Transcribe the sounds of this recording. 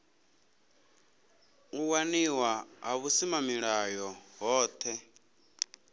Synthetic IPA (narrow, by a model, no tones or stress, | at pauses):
uwaniwaɦaβusimamiɺajɔɦɔːt̪ʰɛ